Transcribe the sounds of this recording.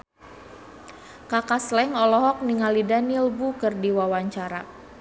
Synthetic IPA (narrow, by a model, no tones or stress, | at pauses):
kakaslɛŋɔlɔɦɔk̚niŋalidanilbukərdiwawaɲt͡ʃaɾa